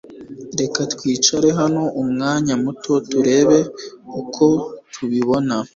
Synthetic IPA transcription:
ɾe̞katkwiːt͡ʃaɾeɦano̞ʔumŋaːɲamutʰo̞tuɾe̞ːβe̞ukʰo̞tʰuβiβo̞na

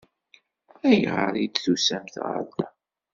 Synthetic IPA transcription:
æjʁə̰ɾid̪θusæmθʁə̰ɾlæ

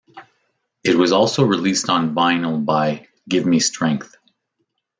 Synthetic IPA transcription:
ɨt̚wʌzɔlˠsoʊɹɨlistn̩vãɪ̃nl̩ˠbaɪ | ɡɪvmistɹ̥ɛ̃ŋk̚θ

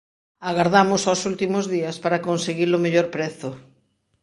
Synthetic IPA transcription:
aɣaɾðamʊsosult̪imʊzðiɐspaɾakonseɣilomeʎoɾpɾɛθʊ

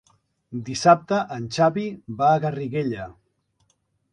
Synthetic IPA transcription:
d̪isap̚t̪əʔənʲt͡ʃaβibaːɣəriɣeʎə

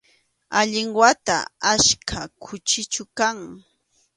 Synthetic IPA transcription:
aʎɪŋwat̪a̰ːʃkʰakʰʊt͡ʃɪt͡ʃʊkaŋ

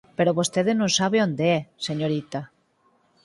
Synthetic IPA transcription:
peɾoβost̪eðenõŋsaβeond̪eɛseɲoɾit̪a

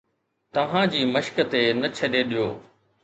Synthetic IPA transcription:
t̪ɐʋ̤ãd͡ʑiːmɐʃkət̪enɐt͡ɕʰɐɗeɗijoː

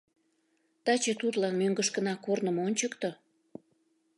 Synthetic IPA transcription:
t̪ɑt͡ɕet̪ut̪lɑnmøŋɡəʃkə̆nɑkornəmonʲt͡ɕəkt̪o

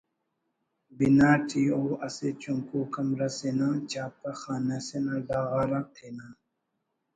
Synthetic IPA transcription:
binaːʈʰioːɐset͡ʃuŋkuːkɐmɾasenãt͡ʃaːp̚taxaːnasenaɖaːɣaːɾat̪ʰenaː

